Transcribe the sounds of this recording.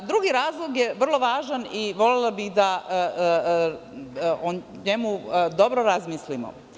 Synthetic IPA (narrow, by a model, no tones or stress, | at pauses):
d̪ɾuɡiɾaːzlˠoɡje̞ʋr̩lˠo̞ʋaːʒaniʋo̞lelabixd̪a | o | ɲe̞mud̪o̞bɾoɾazmislimo̰